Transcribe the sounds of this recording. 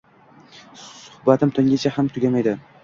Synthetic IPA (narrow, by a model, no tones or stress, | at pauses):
sʊhbat̪ɪmt̪ʰʊŋɡʲat͡ʃʰahamt̪ʰʊɡʲamajd̪ɪ